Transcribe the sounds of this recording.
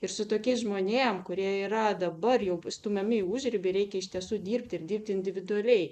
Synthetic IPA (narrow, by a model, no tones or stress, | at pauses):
ɪrsʊt̪oːkʲeːsʒmoːnʲeːmkʊɾʲiɛiːɾɐd̪ɐbɐrjɛʊst̪ʊmʲɛmʲɪɪuʒʲɾʲɪbʲɪɾʲɛɪkʲɛɪʃʲt̪ʲiɛsuːd̪ʲiːrp̚ʲt̪ʲɪɪrd̪ʲiːrʲp̚ʲt̪ʲɪnʲd̪ʲɪʋʲɪd̪ʊɐlʲɛɪ